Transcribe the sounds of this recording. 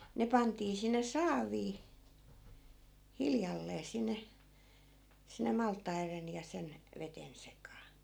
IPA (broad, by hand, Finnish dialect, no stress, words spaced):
ne pɑntiː sinːe sɑːʋiː hiljɑlːeː sinːe sinːe mɑltˑɑiren jɑ sen ʋeten sekɑː